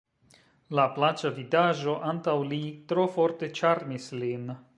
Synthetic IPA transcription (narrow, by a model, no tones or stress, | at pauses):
laplat͡ʃavid̪aʒoʔant̪awlit̪ɾofoɾt̪et͡ʃaɾnislin